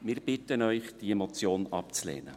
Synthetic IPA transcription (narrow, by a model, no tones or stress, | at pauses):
mɪːɾb̥ɪtənœʏχd̥iɛmɔt͡sjoːnɑp̚t͡slɛ̰ːnə